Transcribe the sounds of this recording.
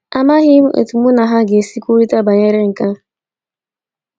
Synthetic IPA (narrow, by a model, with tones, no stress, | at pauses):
a˦ma˦ɦi˦mu˦ʔḛ˨tu˨mu˦na˨ɦa˦ɡe˨si˦kʷu˦ɾi˦ta˦ba˨ɲe˦ɾe˦ŋ̩˨ka˦